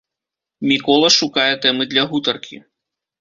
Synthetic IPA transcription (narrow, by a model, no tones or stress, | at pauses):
mʲikɔlˠɐʂukajɛt̪ɛmɨd̪lʲɐɣut̪ɐrkʲḭ